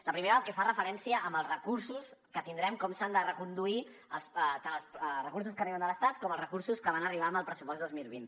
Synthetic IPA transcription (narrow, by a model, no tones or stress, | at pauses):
ləpɾimeɾəəlˠkɛfarəfəɾɛnsiəʔəmbəlˠzrəkuɾsuskət̪ind̪ɾɛmkɔmsand̪ərəkund̪ui | əlˠsət̪anəlˠsrəkurs̬uskəriβənd̪ələst̪at̪̚kɔməlˠzrəkuɾsuskəβanəriβ̞aəməlˠpɾəsupɔst̪d̪ozmilˠβint̪